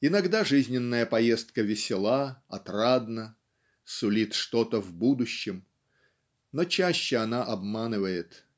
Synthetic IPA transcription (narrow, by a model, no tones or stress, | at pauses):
ɪnɐɡd̪aʐɨzʲnʲɪnːəjəpɐje̞st̪̚kəvʲɪsʲɪlˠaɐt̪rad̪nə | sʊlʲit̪ʂt̪o̞t̪əvbud̪ʊɕːɪm | not͡ɕæɕːɪɐnaʔɐbmanɨvəjɪt̪